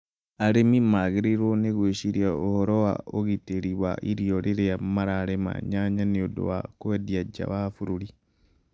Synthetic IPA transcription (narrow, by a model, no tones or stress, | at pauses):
aɾemimaɣeɾiɾoneɣweʃiɾjaohɔɾɔwa̰oɣiteɾiβa̰ʔiɾjɔɾeɾeamaɾaɾema̰ɲaɲaneodo̰wa̰kwɛdiad͡ʒa̰wafuɾuɾi